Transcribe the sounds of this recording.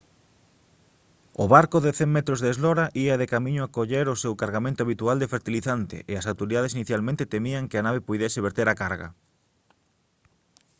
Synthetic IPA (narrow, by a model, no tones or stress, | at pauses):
ʊβaɾkoðeθeŋmet̪ɾozðezlɔɾaʔiɐðekamĩɲoakoʎeɾosewkaɾɣamẽnt̪oaβ̞it̪uald̪efeɾt̪iliθant̪ḛʔeasawt̪oɾiðað̞esiniθjalmẽnt̪et̪emiaŋkɪanaβ̞epujðɛsɪβ̞eɾt̪eɾakaɾɣa̰